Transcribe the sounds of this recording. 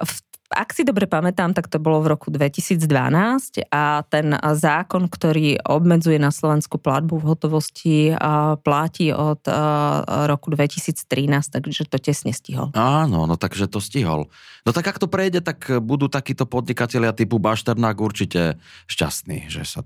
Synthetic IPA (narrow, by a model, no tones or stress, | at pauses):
f | a̰ksid̪ɔbɾɛpamɛt̪aːmt̪akt̪ɔbɔlɔvɾɔkud̪ʋɛcisiːd͡zd̪ʋa̰naːscat̪ɛnzaːkɔnkt̪ɔɾiːɔbmɛd͡zujɛnaslɔʋɛnskupla̰d̪̚buvɦɔt̪ɔʋɔsciplaciːʔɔt̪ | ɾɔkud̪ʋɛcisiːt͡st̪ɾinaːst̪aɡʒɛt̪ɔcɛsɲɛsciɦɔ̰laːnɔ̰nɔt̪aɡʒɛt̪ɔsciɦɔ̰l | nɔt̪aɡakt̪ɔpɾɛjɟɛt̪akbud̪uːt̪akiːt̪ɔpɔd̪ɲikacɛʎɪat̪ipubaʃt̪ɛɾnaːɡuɾt͡ʃicɛʃca̰st̪nḭːʒɛ̰sa